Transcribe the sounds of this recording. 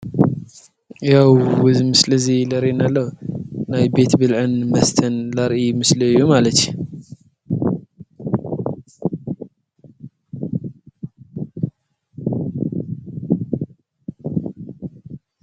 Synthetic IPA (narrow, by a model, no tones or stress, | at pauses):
jawwɨzmɨslɨzilɐɾinalːɐnajbe̞t̪bɨlʕɨnmɐst̪ʰɐnlɐɾʔimɨslɨɨjːumalɐt̪ju